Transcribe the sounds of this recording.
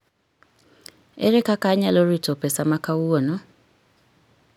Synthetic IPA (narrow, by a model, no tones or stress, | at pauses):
ḛɾekakaɲaloɾitɔpɛsamakauwɔnɔ